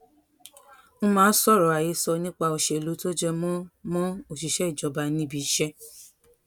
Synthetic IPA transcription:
mũ˦mãː˨˦sɔ˦˨ɾɔ˨a˨je˧˦sɔ˧nĩ˦k͡pa˧o˨ʃɛ˨lo˨˦to˦d͡ʒɛ˧mɔ̃˦mɔ̃˦o˦˨ʃi˨ʃɛ˨˦i˦˨d͡ʒɔ˨˧ba˧nĩ˦bi˧˦ʃɛ˦

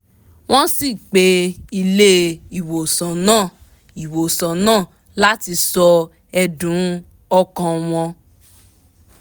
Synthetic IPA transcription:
w̃ɔ̃˦si˦˨k͡pe˧˦i˧le˦i˨wo˨sã˨nãː˦˨ | i˨wo˨sã˨nãː˦˨ | la˦ti˧sɔ˧ | ɛ˧dũ˨˦ | ɔ˧kã˧w̃ɔ̃˧

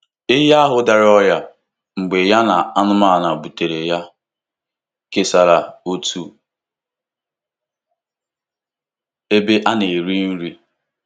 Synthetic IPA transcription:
ɪ˦ɦa˦a˦ɦʊ˦da˨ɾɪ˦ɔ˦ja˦ | ŋ͡m̩˨ɡ͡be˨ja˦na˨a˦nʊ˦ma˦˨na˨bu˨te˨ɾe˨ja˦ | ke˨sa˨ɾa˨o˦tu˦ | e˦be˦ʔa˦ne˨ɾi˦n̩˦ɾi˦

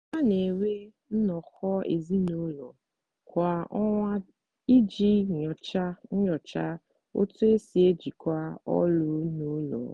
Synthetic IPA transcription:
ta˦ne˨we˦ | n̩˦nɔ˨xɔ˦ḛ˨zi˦no˦lɔ˨ | kʷa˨ɔ˦ŋʷa˦ | i˦d͡ʒi˦ɲɔ˨t͡ʃa˦ɲ̩˦ɲɔ˨t͡ʃa˦ | o̰˦tʊ˦e˦si˨e˦d͡ʒi˨kʷa˦ɔ̰˦lʊ˦no˦lɔ̰˨

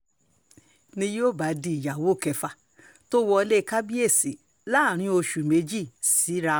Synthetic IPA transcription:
nĩ˧jo˦˨ba˨˦di˨˧˨ja˨wo˦˨kɛ˧fa˨ | to˦wɔ˧le˦˨˧ka˦bi˦e˦˨si˨ | la˦˨ɾ̃ĩ˧o˧ʃu˨me˨˦d͡ʒi˦˨si˨˦ɾa˧

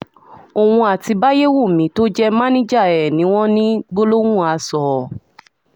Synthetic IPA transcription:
o˨wũ˧a˨ti˧ba˦je˦wu˦˨mĩ˨˦to˦d͡ʒɛ˦mã˦nĩ˦d͡ʒa˦˨ɛ˨nĩ˨˦w̃ɔ̃˦nĩ˦ɡ͡bo˦lo˦wũ˦˨a˧sɔ˨

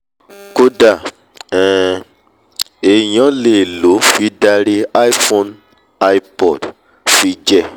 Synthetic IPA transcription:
ko˦da˦˨ | ɛ̃˨ | e˨jã˨˦le˦˨lo˨˦fi˨˦da˧ɾi˦a˦i˦fo˧n | a˦i˧pɔ˨d | fi˦d͡ʒɛ˦˨

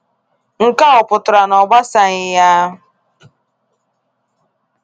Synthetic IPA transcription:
ŋ̩˦ka˦ʊ˨pʊ˨tʊ˨ɾa˨nɔ˨ɡ͡ba˦sa˦ɲɪ˦ja˦ɦʊ˦

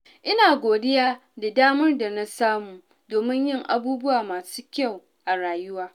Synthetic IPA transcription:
ʔɪ˦naː˨ɡʷoː˨dɪ˦jaː˦da˨daː˦mɐ˦rda˨na˦saː˦muː˨ | doː˨mɪ˦ɲjɪ˦˨ŋʔa̰˨buː˦bʊ˦waː˨maː˨su̥ː˦kʲa˦˨w | ʔa˨ɽaː˨jʊ˦waː˦

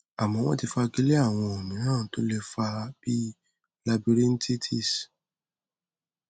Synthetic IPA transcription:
a˨mɔ̃˧w̃ɔ̰̃˦ti˧fa˧ɡi˦le˦a˦˨w̃ɔ̃˧o˨nĩ˨˦nãː˦˨˦to˦lɛ˧fa˧b̥i˦ | la˧bi˧ɾi˦n̩˦tʰi˦tʰi˦˨s

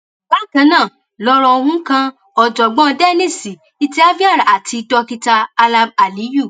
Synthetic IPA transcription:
ba˦˨kã˧˦nãː˦˨ | lɔ˧ɾɔ˧o˧hũ˦kã˧ | ɔ˨d͡ʒɔ˨ɡ͡bɔ̃˦˧dɛ˦˨nĩ˦˨si˨ | i˦ti˦a˦vi˦a˦˨ɾa˨a˨tʰi˧tɔ˧ki˧ta˧a˧la˧b̚a˨li˨˦ju˦˨

